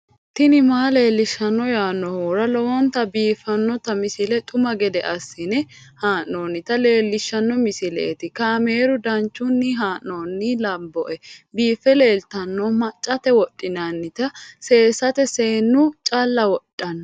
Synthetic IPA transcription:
t̪ɪnɪmaːle̞ːlːɪʃːɐnːɔjaːnːɔhoːɾɐlɔwɔnt̪ɐbiːfːɐnːɔt̪ɐmɪsɪlɛt̪ʼʊmɐɡɛd̪ɛʔɐsːɪnɛ | haːnːoːnːɪt̪ɐle̞ːlːɪʃːɐnːɔmɪsɪlɛ̰ːt̪ɪkaːme̞ːɾʊd̪ɐnt͡ʃːʊnːɪɦaːnːoːnːɪlɐmbɔʔɛbiːfːɛle̞ːlt̪ɐnːɔmɐt͡ʃʼːɐt̪ɛwɔtʼːɪnɐnːɪt̪ɐseːsɐt̪ɛseːnːʊt͡ʃʼɐlːɐwɔtʼːɐnːɔ

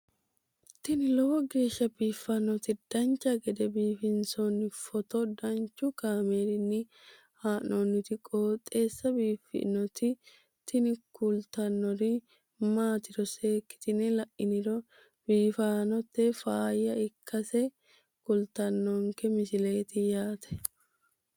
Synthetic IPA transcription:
t̪ɪnɪlɔwɔɡe̞ːʃːɐbiːfːɐnːɔt̪ɪd̪̥ɐnt͡ʃːɐɡɛd̪ɛbiːfɪnsɔnːɪfɔt̪ɔd̪ɐnt͡ʃːʊkaːmeːɾɪnːɪ | haːnonːɪt̪ɪkʼoːt̪ʼːe̞ːsːɐbiːfɪ̰nɔt̪ɪ | t̪ɪnɪkʊlt̪ɐnːɔɾɪ | maːt̪ɪdɔse̞ːkːɪ̥t̪ɪnɛlɐʔɪnɪɾɔ | b̥iːfaːnɔt̪ːɛfaːjɐɪkʰːɐsɛ | kʊlt̪ɐnːɔŋkɛmɪsɪle̞ːt̪ɪjaːt̪ʰɛ̥

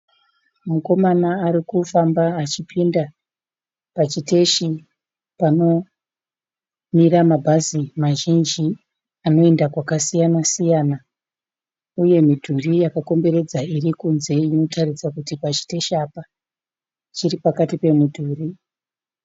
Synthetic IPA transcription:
muko̞manaːɾikufambaːt͡ʃipinda | pat͡ʃite̞ʃi | pano̞ | miramabʱazimaʒind͡ʒi | ano̞e̞ndakwakasijanasijaːna | uje̞midʱurijakako̞mbe̞ɾe̞d͡zairikunze̞ino̞tʰarisakutipat͡ʃi̥te̞ʃapa | t͡ʃiripakatipe̞midʱuːri

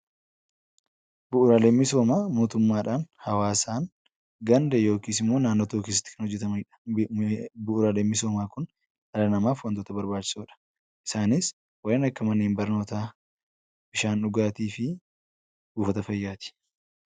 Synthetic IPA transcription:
bʊʔʊɾaːle̞ːmːɪso̞ːmaːmo̞ːt̪ʊmːaːᶑaːnhɐwaːsaːn | ɡɐnd̪ɛjo̞ːkiːsɪmːo̞ːnaːnːot̪oːkiːsɪ̥t̪ːɪ̥kɐnhɔd͡ʒːɛt̪ɐmɐɪᶑɐ̥ | bʊʔʊɾaːleːmːɪso̞ːmaːkʊn | ʔɐɾɐnɐmaːfwɐnt̪oːt̪ɐbɐɾbaːt͡ʃːɪ̥suːᶑɐ̥ | ʔɪ̥saːnɪs | wɐeːnɐkːɐmɐneːmbɐɾno̞ːt̪aː | b̥ɪʃaːnᶑʊɡaːt̪iːfɪ | ɡ̥uːfɐt̪ɐfɐjːaːt̪ɪ̥

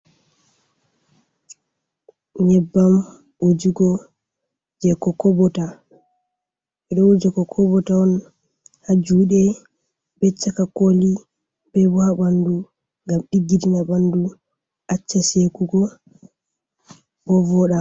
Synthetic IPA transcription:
ɲɛbːam | wod͡ʒiɡɔ | d͡ʒɛkːɔkɔbɔta | ɓɛɗɔwud͡ʒɛkɔkʰɔbɔtaɔn | had͡ʒuːɗɛ | bɛt͡ʃːakakoli | bɛbɔhabandu | ŋɡamɗiɡːidinabandu | ʔat͡ʃːasekuɡɔ | b̥ɔvɔɗa

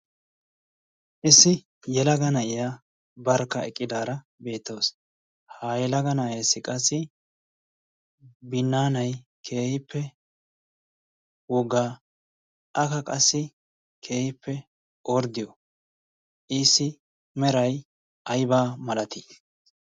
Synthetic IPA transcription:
ʔɪsːɪ | jɛlɐɡɐnɐʔɪja | bɐɾkːɐɛkʼːɪd̪aːɾɐ | be̞ːt̪ːows | hajɛlɐɡɐnɐɛjsːɪkʼɐsːɪ | bɪnːaːnɐjkʰe̞ːhɪpːɛ | wɔɡaː | ʔɐkɐkʼɐsːɪ | kʰe̞ːhɪpʰːɛ | ʔɔɾd̪ɪjɔ | ʔɪsːɪ | mɛɾɐj | ʔɐjbaːmɐlɐt̪i

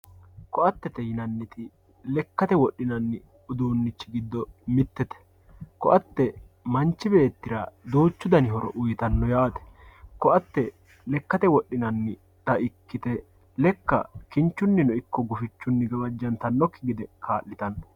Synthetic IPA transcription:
kɔʔɐt̪ːɛt̪ɛjɪnɐnːɪt̪ɪ | lɛkːɐt̪ɛwɔɗːɪnɐnːɪ | ʊd̪uːnːɪt͡ʃːɪɡɪd̪ːɔmɪt̪ːɛt̪ɛ̥ | kɔʔɐt̪ːɛ | mɐnt͡ʃːɪbe̞ːt̪ːɪɾɐd̪oːt͡ʃːʊd̪ɐnɪɦɔɾɔ̰ʔʊjt̪ɐnːɔjaːt̪ɛ̥kɔʔɐt̪ːɛ | lɛkːɐt̪ɛwɔɗːɪnɐnːɪ | t̪ɐɪkːɪt̪ɛ | lɛkːɐ̰kɪnt͡ʃːʊnːɪnɔɪkːɔɡʊfɪt͡ʃːʊnːɪɡɐbɐd͡ʒːɐnt̪ɐnːɔkːɪɡɪd̪ɛkʰaːʔːɪt̪ɐnːɔ

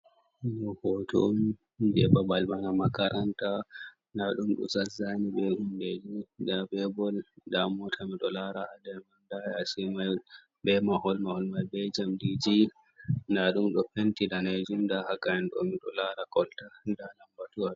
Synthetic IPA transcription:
nɔhɔtʰɔ̰m | bɛbabalmanamakaɾʔanta | naɗumɗɔ̰sazːanibɛhunded͡ʒidabɛbɔldamɔtʰamiɗɔlaɾaʔadɛmandaasimaj | bɛmahɔlmahɔlmajbɛd͡ʒamdid͡ʒi | naɗumɗɔfentidaned͡ʒumdahakaɛnɗɔ̰miɗɔ̰laɾakɔltadalambatua

